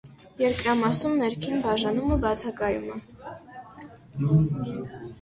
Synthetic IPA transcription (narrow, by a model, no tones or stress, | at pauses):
jɛɾkɾɑmɑsumnɛɾkʰinbɑʒɑnuməbɑt͡sʰɑkɑjṵmɛ